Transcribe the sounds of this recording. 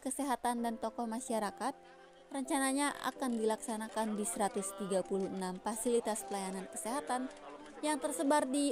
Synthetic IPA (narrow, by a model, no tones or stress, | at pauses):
kəseɦat̪andant̪ɔkɔhmaʃaɾakat̪̚ | rəɲt͡ʃanaɲaʔa̰kandilaksanakandist̪ɾat̪ʊst̪iɡapuluhnamfasilit̪aspəlajanankə̥seɦat̪an | jaŋt̪ərsəbardi